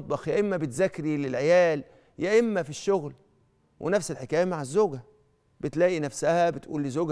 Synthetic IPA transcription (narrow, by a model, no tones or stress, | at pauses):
bɑxjæʔemːæbet̪zækːɾilelʕejæːl | jæʔemːæfiʃːoɣl | wʔḛnæfselħekæːjmaʕazːoːɡæ | bet̪læːʔinæfsæhæbet̪ʔuːlːezoːɡ